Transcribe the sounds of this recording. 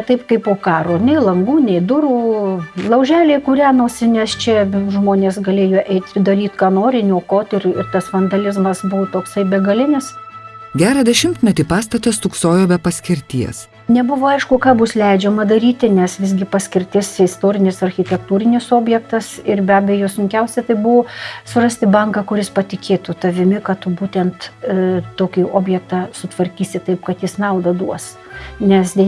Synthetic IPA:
t̪ɐɪpkɐɪpoːkɑːɾoːnʲɛɪlˠɐŋɡuːnʲɛɪd̪ʊɾuːlˠɐʊʒʲæːlʲeːɪkʊɾʲæːnoːsʲɪnʲɛst͡ʃʲɛʒmoːnʲeːsɡɐlʲeːjoːʔɛɪt̪ʲd̪ɐɾʲiːt̪kɑːnoːɾʲɪnʲuɔkoːt̪ɪrɪrt̪ɐsfɐnd̪ɐlʲɪzmɐsbʊʋt̪oːksɐɪbʲɛɡɐlʲɪnʲɪsɡʲæːɾɐd̪ʲɛʃʲɪmt̪ʲmʲɛt̪ʲɪpɑːst̪ɐt̪ɐst̪ʊksoːjoːbʲɛpɐsʲkʲɪɾʲt̪ʲiɛs | nʲɛbʊʋoːɐɪʃkʊkɑːbʊslʲɛɪd͡ʒʲɛmɐd̪ɐɾʲiːt̪ʲɪnʲɛsʋʲɪzɡʲɪpɐsʲkʲɪɾʲt̪ʲɪsɪst̪oːɾʲɪnʲɪsɐrʲxʲɪt̪ʲɛkt̪uːɾʲɪnʲɪsoːbʲjɛkt̪ɐsɪrbʲæːbʲɛjoːsʊŋʲkʲɛʊsʲɛt̪ɐɪbʊʋoːsʊɾɑsʲt̪ʲɪbɐŋkɑkʊɾʲɪspɐt̪ʲɪkʲeːt̪ut̪ɐʋʲɪmʲɪkɐtt̪ʊbuːt̪ʲɛnt̪ | t̪oːkʲiːoːbʲjɛk̚t̪ɑːsʊt̪ʋɐɾʲkʲiːsʲɪt̪ɐɪpkɐt̪jɪsnɐʊd̪ɐd̪uɔs | nʲɛsd̪ʲɛ

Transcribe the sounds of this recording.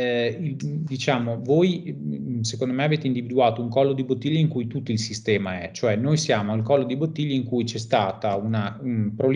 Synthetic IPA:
id̪it͡ʃaːmovoj | sekond̪omɛaveːt̪eind̪ivid̪uaːt̪ouŋkɔlːod̪ibot̪ːiʎːaiŋkujt̪ut̪ːoilsist̪ɛːmaɛt͡ʃoɛnːojsjaːmoalkɔlːod̪ibot̪ːiʎːaiŋkujt͡ʃɛst̪aːt̪aunapɾol

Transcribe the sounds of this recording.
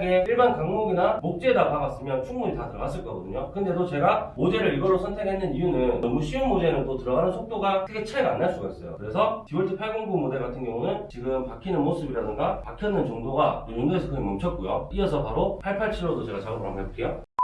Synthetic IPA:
ɡe̞iɭbankaŋmoɡinamok̚t͡ɕ͈edapaɡas͈ɯmjʌnt͡ɕʰuŋmuɲitatɯɾʌɡas͈ɯɭk͈ʌɡʌdɯɲokɯnde̞dot͡ɕe̞ɡamod͡ʑe̞ɾɯɾiɡʌɭːosʰʌntʰeɡɦenːɯnijunɯnːʌmuɕʰiunmod͡ʑe̞nɯntotɯɾʌɡanɯnsʰok̚t͈oɡaɯkʰet͡ɕʰaɡa̰nːaɭs͈uɡais͈ʌjo̰kɯɾe̞sʰʌtiwʌɭtʰɯpʰaɭɡoŋɡuŋmode̞ɭɡatʰɯnɡjʌŋunɯnt͡ɕiɡɯmpakʰinɯnmos͈ʰɯbiɾadɯŋɡapakʰjʌnːɯnt͡ɕoŋdoɡanuɲondoesʰʌkɯɡemʌmt͡ɕʰʌt̚k͈ojo̰iʌsʰʌpaɾopʰaɭpʰaɭt͡ɕʰiɾosʰʌt͡ɕe̞ɡat͡ɕaɡɯbuɾɦa̰mkʰebok͈ʰe̞jo

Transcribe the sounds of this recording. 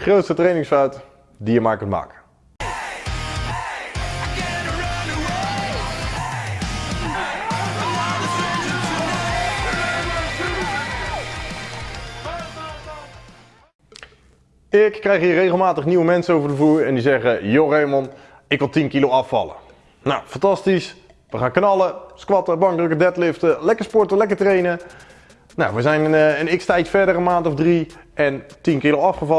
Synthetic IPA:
χrowtstətrejnɪŋsfaɥt | dijəmaːɹkɵntma̰ːkə̥ | ɪkːrɛjχɦiːrejχəlˠmaːtəχniwəmɛnsənowvəɹdəvuːɹɛ̰ndizɛχəjorejmɔn | ɪkʋɪlˠtinkilowɑfɑ̰lə̰ | na̰wfɑntɑstis | ʋəχaːnknɑlˠəskʋɑtəbɑŋdrøkədɛtlɪftəlɛkəɹspɔɹtəlɛkəɹtrejnə | na̰wʋəzɛjnənɪkstɛjtfɛɹdərənmaːntɔvdriɛntinkilowɑfχəvɑ

